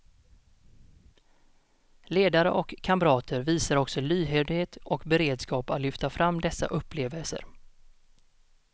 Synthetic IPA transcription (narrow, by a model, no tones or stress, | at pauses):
leːd̪aɾəʔɔkʰːamɾɑːt̪ʰəɾviːsaɾɔksɔlyːɦeːd̪heːt̪ɔkbɛɾeːd̪skɑːpat̪lʏft̪afɾamːd̪ɛsːa̰ʔɵpːleːvəlsə̰ɾ